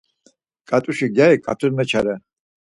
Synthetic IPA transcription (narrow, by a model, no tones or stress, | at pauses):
kʼat̪ʼuʃiɡjaikʼa̰t̪ʼuɾmɛt͡ʃʰaɾɛ